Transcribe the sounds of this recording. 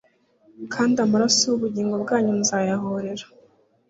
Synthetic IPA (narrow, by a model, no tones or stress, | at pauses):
kʰaːndamuɾasowuβuɟiːŋɡo̞bɡaːɲunzaːjaɦoɾe̞ɾḁ